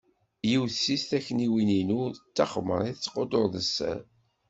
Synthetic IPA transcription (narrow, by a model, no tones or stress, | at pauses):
jiwθsist̪æçːəniwininuðət͡sːɑχmə̰ɾˤiθət͡sːqːod̪oɾðəsːæ̰ɾ